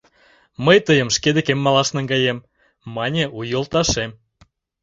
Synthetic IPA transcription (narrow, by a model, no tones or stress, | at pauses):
məjt̪əjə̆mʃked̪ĕkemːɑlɑʃnĕŋɡɑjemː | ɑnʲeʔujŏlˠt̪ɑʃem